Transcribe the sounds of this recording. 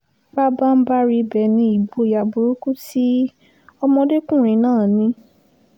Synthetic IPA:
ba˦ba˦m̩˦ba˦ɾi˧bɛ˨nĩ˧i˨bo˧˨ja˨bu˨ɾu˦ku˦ti˦ | ɔ˧mɔ̃˧de˦kũ˦˨ɾ̃ĩ˨˧˦nãː˦˨nĩ˧˦

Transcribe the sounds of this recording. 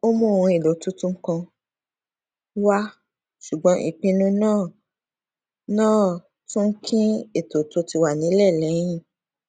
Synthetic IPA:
o˦mũ˦˨ũ˧e˨do˨tu˦tũ˦ŋ̩˦kã˧ | wa˦ | ʃu˨ɡ͡bɔ̃˨˦ʔḭ˨k͡pĩ˧nũ˦nãː˦˨ | nãː˦˨ | tũ˦ŋ̩˦kʰĩ˦e˦˨to˨to˧ti˧wa˨nĩ˨˦lɛ˦˨lɛ̃˨˦ĩ˦˨

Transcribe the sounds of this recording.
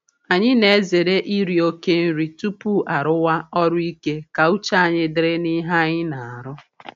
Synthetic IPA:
a˨ɲɪ˦ne˨e˦ze˨ɾe˦ʔi˦ɾi˨o˦ke˦n̩˦ɾi˨tu˦pu˦ʔa˨ɾʊ˦wa˦ɔ˦ɾʊ˦i˦ke˦ka˨u˦t͡ʃa˦a˨ɲɪ˦dɪ˨ɾe˦ni˦ɦa˦ɲɪ˦na˨a˨ɾʊ˦

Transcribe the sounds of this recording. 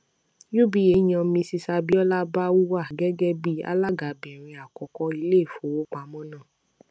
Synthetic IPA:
ju˦bi˦je˨˦j̃ɔ̃˧mĩ˧si˧sa˧bi˦ɔ˦la˦ba˦wu˦wa˦˨ɡɛ˦ɡɛ˦bi˦a̰˦la˦˨ɡa˨˦˨bĩ˨ɾ̃ĩ˧a˨kɔ˨kɔ˧i˧le˦˨fo˨wo˨˦k͡pa˨˦mɔ̃˦nãː˦˨

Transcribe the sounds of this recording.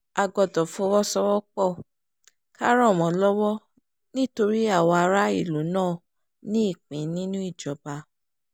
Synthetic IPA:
a˧ɡɔ˧dɔ˨fuo˧˦˧wɔ˦sɔ˧wɔ˦k͡pɔ˦˨ | ka˦ɾɔ̃˦˨mɔ̃˨lɔ˦wɔ˦ | nĩ˦to˧ɾi˦a˦˨wɔ˧a˧ɾa˦ḭ˦˨lu˨˦nãː˦˨ | nĩ˦i˦˨k͡pĩ˨˦nĩ˦nũ˦i˦˨d͡ʒɔ˨ba˧

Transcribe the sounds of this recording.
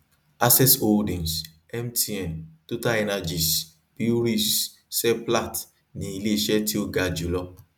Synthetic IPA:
a˦sɛ˦so˨dĩ˨ns | ɛ˦mti˧ɛ˨mto˦ta˦ɛ˧na˧d͡ʒi˨s | pi˦u˦ɾi˦˨s | sɛ˦pla˦˨t | nĩ˨˦i˧le˦i˨ʃɛ˦ti˦o˦ɡa˧d͡ʒu˨˦lɔ˧

